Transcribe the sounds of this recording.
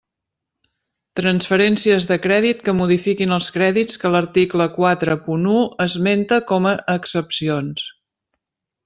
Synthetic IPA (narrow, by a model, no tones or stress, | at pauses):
t̪ɾənsfəɾɛnsiəzðəkɾɛðit̪kəmuð̞ifikinəlˠskɾɛðit͡skələɾt̪ikləkwat̪ɾəpunuəzment̪əkɔməʔəksəpsions